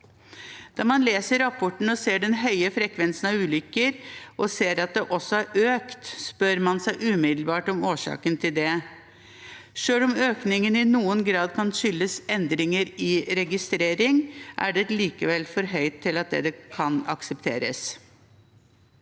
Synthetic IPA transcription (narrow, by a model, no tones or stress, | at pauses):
d̪̥ɑːmɑnleːsəɾɑpʰɔʈɳ̩ɔseːɖɛnɦœʏəfɾɛkʰʋɛnsənɑʋʉːlʏkːəɾʔɔseːɾɑt̪̚d̪ɛʔɔsɔæɾʔøːkt̪spœɾmɑnsæɪʔʉːmɪd̪l̩bɑːʈɔmoːʂɑ̰ːkənt̪ʰɪld̪ɛ | ʂøːlɔmøːknɪŋənɪnuːənɡɾɑːd̪kʰɑnʃʏlːəsɛnd̪ɾɪŋəɾɪɾɛɡɪst̪ɾeːɾɪŋʔæ̰ɖɛliːkəʋɛlfɔɾɦœʏt̪ʰːɪlɑt̪̚d̪ɛ̰d̪ɛkʰɑnɑ̰ksɛpt̪ʰḛːɾəs